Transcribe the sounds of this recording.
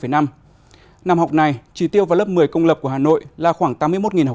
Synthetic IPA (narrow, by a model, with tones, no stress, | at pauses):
fə˧˩jna˧m | na˨˧˨mha˨˩wk͡p̚na˨˩jt͡ɕi˧˩t̪i˧əwvaː˨˩wlə˦˥p̚mɨ˨˩əjkə˧wŋ͡mlə˨˩p̚ku˧˩əhaː˨no̰˧˨jlaː˨˩xwaː˧˩ŋt̪aː˨˦mːɨ˧əjmo˦˥t̚ŋi˨˩nh